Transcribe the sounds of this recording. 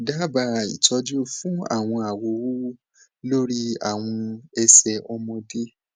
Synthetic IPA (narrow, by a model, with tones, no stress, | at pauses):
da˦ba˧˦ḭ˨tɔ˧d͡ʒu˦fũ˦a̰˦˨w̃ɔ̃˧a˨wo˨wu˦ | lo˦ɾi˧a̰˦˨w̃ɔ̃˧ɛ˧sɛ˧ɔ˧mɔ̃˧de˦